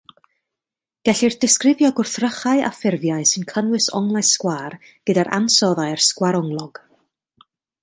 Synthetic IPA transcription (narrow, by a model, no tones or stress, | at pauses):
ɡ̥ɛɬirdɪskrɪvjɔɡʊrθrəχaɨʔa̰fɪrvjaɨsɨnkʰənwɨsɔ̰ŋlˠaɨskwaːr | ɡ̥ədaɾʔa̰nsɔðarskwaɾɔŋlˠɔɡ̥